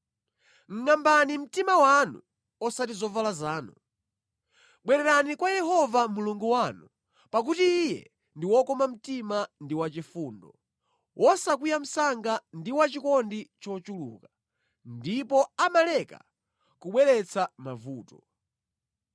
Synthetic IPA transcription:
ŋ̩ŋambanim̩timawanṵ | ɔsatizɔvalazaːnṵ | ɓwɛɾɛɾanikwajɛhɔvamuluŋɡuwanu | pak̬utiːjɛ̰ | ndiwɔkɔmam̩timandiwat͡ʃifuːndɔ̰ | wʔɔsakijam̩saŋɡandiwat͡ʃikɔndit͡ʃɔt͡ʃulṵka | ndipɔamalɛka̰ | kuɓwɛɾɛt͡sʰamavuːtɔ

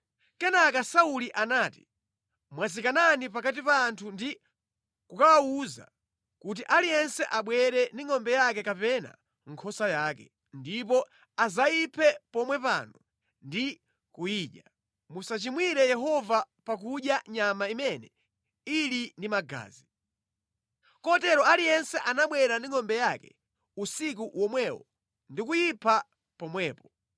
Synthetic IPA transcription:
kɛnakasauliʔanaːti | mwazikananipakat̬ipaːntʰundi | kukawauza̰ | kut̬iʔalijɛnsɛʔaɓwɛɾɛndiŋɔmbɛjakɛkapɛna̰ | ŋ̩kʰɔsajaːkɛ̰ | ndipɔ | azaipʰɛpɔmwɛpa̰ːnɔ | ndi | kujiːɗja | musat͡ʃimwiɾɛjɛɦɔva | pak̬uɗjaɲamaimɛnɛ | ilindimaɡa̰ːzi | kɔtɛɾɔalijɛnsɛʔanaɓwɛɾandiŋɔmbɛjakɛ̰ | usikuwɔmwɛwɔ̰ | ndikujipʰa | pɔmwɛːpɔ̥

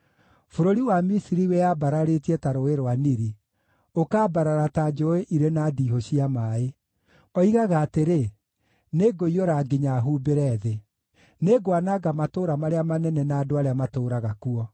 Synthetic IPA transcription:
foɾoɾiwamisiɾiwɛjabaɾaɾetiɛtaɾoeɾwaniɾi | okaːbaɾaɾatad͡ʒoeʔiɾenadiɦoɕiamae | ɔiɣaɣaːteɾe | neɡoioɾaɡiɲaɦuːbeɾɛðe | neɡoanaɡamatoːɾamaɾeamanɛnɛnaːdoaɾeamatoːɾaɣakuɔ

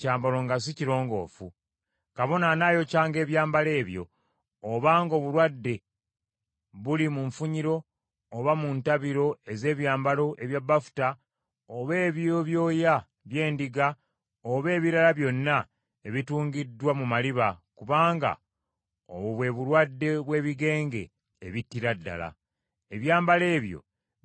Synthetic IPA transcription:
caːmbalo̞ŋɡas̬iciɾo̞ːŋɡo̞̰ːfṵ | kaβo̞nanajo̞caːŋɡe̞ːβjaːmbale̞ːβjo̞̰ː | βaːŋɡo̞ːβulwadːe̞ | βulimuɱfuɲiɾo̞ː | βamuntaβiɾo̞e̞ze̞ːβjaːmbalo̞ʔe̞βjabːafu̥ta | oβe̞ːβjoβjo̞ːja | βje̞ːndiɡa | oβe̞ːβiɾalaβjo̞nːa | e̞βituːŋɡidːwamumaliβakuβaːŋɡa̰ | o̰βuβwe̞βuɾwadːe̞βwe̞ːβiɡe̞ːŋɡe̞̰ː | βitːiɾadːa̰la̰ | e̞βjaːmbale̞ːβjo̞̰

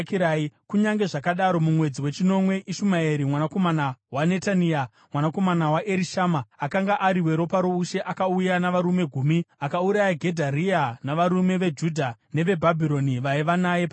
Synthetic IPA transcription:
kiɾaːikuɲaŋɡe̞ʐakaɗaɾo̞mumwe̞d͡ziwe̞t͡ʃino̞mwe̞ʔiʃumaeɾimwanako̞manawane̞tania | mwanako̞manawaʔe̞ɾiʃamaːkaŋɡaʔaɾiwe̞ɾo̞paɾouʃe̞ʔakaujanaʋaɾume̞ɡʱuːmiakauɾajaɡʱe̞dʱarianaʋaɾume̞ʋe̞d͡ʒudʱane̞ʋe̞bʱabʱiɾo̞niʋaiʋanajepa

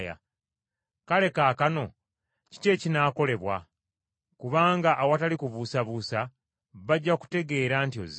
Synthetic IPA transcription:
ja̰ | kale̞kaːkano̞ | ci̥te̞cinaːko̞le̞βwa̰ | kuβaːŋɡaʔːwatalikuβusaβusa | βaɟːaku̥te̞ɡe̞ːɾantio̰z

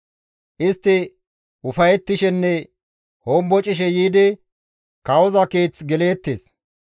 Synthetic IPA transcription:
ʔɪst̪ːɪ | ʔʊfɐjɛt̪ːɪʃɛnːɛ | ho̞ːmbɔt͡ʃʼɪʃ̬ɛjiːd̪ɪ | kɐwɔzɐkeːt͡sɡɛle̞ːt̪ːḛːs

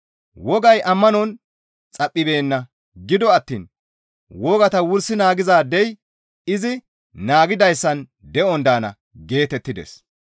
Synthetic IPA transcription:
wɔɡɐjʔɐmːɐnɔn | t͡sʼɐpʼːɪbe̞ːnːɐ | ɡɪd̪ɔɐt̪ːḭːn | wɔɡɐt̪ɐwʊɾsːɪnaːɡɪzaːd̪ɛj | ɪzɪ | naːɡɪd̪ɐjsːɐn | d̪ɛɔnd̪aːnɐ̰ | ɡe̞ːt̪ɛt̪ːɪd̪ɛ̰s

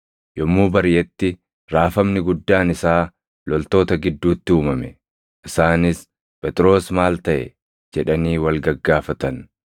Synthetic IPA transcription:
jɔmːuːbɐɾjɛt̪ːɪ | ɾaːfɐmnɪɡʊd̪ːaːnɪsaː | lɔlt̪o̞ːt̪ɐɡɪd̪ːuːt̪ːɪuːmɐmɛ | ʔɪsaːnɪs | pɛt̪ʼɪɾo̞ːsmaːlt̪ɐʔɛ̰ | d͡ʒɛᶑɐniːwɐlɡɐɡːaːfɐt̪ɐn

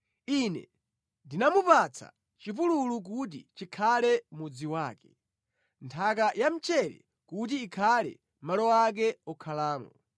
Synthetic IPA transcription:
inɛ̰ | ndinamupat͡sʰa̰ | t͡ʃipululuk̬ut̬ḭt͡ʃikʰalɛmud͡ziwaːkɛ̥ | ntʰakajam̩t͡ʃɛɾɛ̰ | kutiːkʰalɛ̰ | malɔak̬ɛɔkʰalaːmɔ

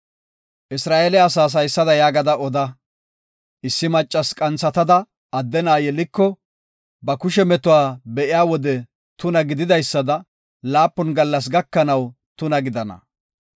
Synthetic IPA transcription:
ʔɪsɾaːʔeːlɛɐsaːs̬ɐjsːɐd̪ɐjaːɡɐd̪ɐʔɔd̪ɐ | ʔɪsːɪmɐt͡ʃʼːɐskʼɐnt͡sːɐt̪ɐd̪ɐ | ɐd̪ːɛnaːjɛlɪkːɔ | bɐkʊʃɛmɛt̪ʊwaːbɛʔɪjaːwɔd̪ɛ | t̪ʊnɐɡɪd̪ɪd̪ɐjsːɐd̪ɐ | laːpːʊnɡɐlːɐs̬ɡɐkːɐnɐw | t̪ʊnɐɡɪd̪ɐnɐ̰

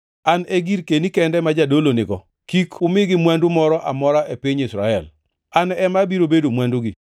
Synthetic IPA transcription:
anɛɡiɾkenikɛndɛmad͡ʒadolonɪɡɔ | kikʊmɪɡɪmwandʊmɔɾɔʔamɔɾaʔepiɲisɾaɛl | anɛmabiɾobedomwandʊɡi

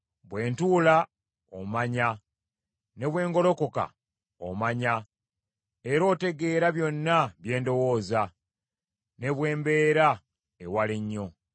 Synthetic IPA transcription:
βwe̞ːntuːla | o̰maɲa | ne̞βwe̞ːŋɡo̞lo̞ko̞ka̰ | o̰maɲa | eɾo̞ːte̞ɡe̞ːɾaβjo̞nːaβje̞ːndo̞wo̞ːza | ne̞βwe̞ːmbe̞ːɾa | ewaleɲːo̞

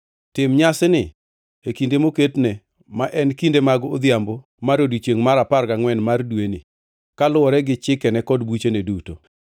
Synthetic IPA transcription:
tɪmɲasɪnɪ | ekindemoketne | maʔɛnkindemaɡod̪jambo | maɾodit͡ʃeŋmaɾaparɡaŋwɛnmardweni | kalʊɔɾɛɡɪt͡ʃɪkɛnɛkɔdbut͡ʃeneduto

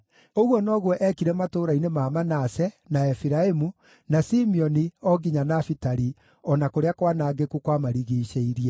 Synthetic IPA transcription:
oɣwɔnɔɣwɔʔɛkiɾɛmatoɾainemaːmanasɛ | naɛfiɾaemu | nasimiɔniɔɡiɲanafitaɾi | ɔnakoɾeakwanaːɡekukwamaɾiɣiʃeiɾiɛ

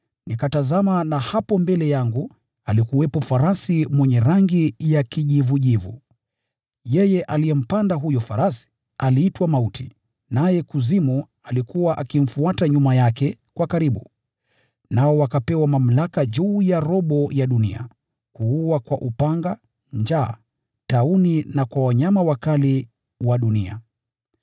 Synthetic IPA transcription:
nikatazamanahapɔmbɛlɛjaŋɡu | alikuwɛpɔfaɾasimwɛɲɛɾaŋɡijakiʄivuʄivṵ | jɛjɛʔalijɛm̩pandaɦujɔfaɾasi̥ | aliːtwamautʰḭ | najɛkuzimu | alikuwaʔakim̩fuataɲumajakɛkwakaɾiɓu | naɔwakapɛwamam̩lakaʄuːjaɾɔɓɔjaɗunḭa̰ | kuuwakwaʔupaŋɡa | ɲd͡ʒaː | tauninakwawaɲamawakali | waɗunia̰

